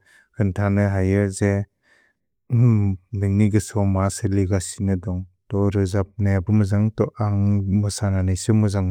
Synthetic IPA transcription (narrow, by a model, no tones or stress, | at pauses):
kʰɯntʰanɯɦajɯze | nɯŋniɡɯsɔmasɯliɡasinɯdɔŋtɔɾɯzap̚naabɯmɯzaŋtɔʔaŋmɯsananɯjsɯmɯzaŋ